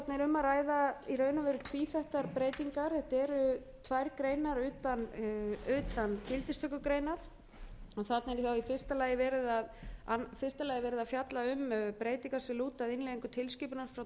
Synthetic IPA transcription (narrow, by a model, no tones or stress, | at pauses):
t̪nɛɾʏmːaraːjðairœːɥnavɛɾʏt̪ʰviːθaht̪aɾpɾeːjt̪iŋkaɾ̥θɛht̪ɛɾʏ | t̪ʰvajɾkɾeːjnaɾʏːt̪anʏːt̪ancɪlt̪ɪst̪œkʏkɾejnaɾ̥ | ɔθat̪nɛɾθawifɪr̥st̪alaːjɪvɛːɾɪðaðanfɪrst̪alaːjɪvɛːɾɪðafjat̪laʏmœpɾeːjt̪iŋkḁsɛluːt̪aðɪneðiŋkʏt̪ʰɪlsciːpʏnaɾ̥fɾaw